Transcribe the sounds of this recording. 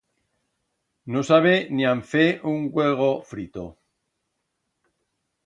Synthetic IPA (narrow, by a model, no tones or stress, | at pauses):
nosaβ̞eniãɱfeʔuŋɡweɣ̞ofɾit̪o̰